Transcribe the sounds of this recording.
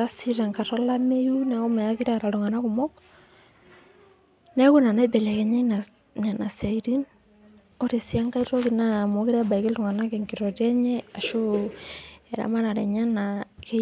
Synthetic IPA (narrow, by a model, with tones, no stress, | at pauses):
ɾa˦si˦ɾa˨ŋka˨ɾɔ˦la˦me˦ju˦nɛ˨˦kɔ˦mɛ˨ja˦ki˦ɾa˦a˨ɾa˨lu˨ŋa˨na˦ku˨mɔ˦k | nɛ˦ku˦na˨na˦bɛ˨lɛ˨kɛ˨ɲa˦na˨ | ɲa˨na˨sa˨iɾi˦n | ɔ˦ɾe˨si˦a˦ŋka˦i˦ɾɔ˦ki˨na˦˨mɔ˨ki˦ɾa˦ba˨i˨ke˦lu˨ŋa˨na˦kɛ˨ŋki˨ɾɔ˨tɛ˦ɲɛ˦a˨ʃo˦ | ɛ˨ɾa̰˦ma˦na˨ɾɛ˨ɲa˦nake˦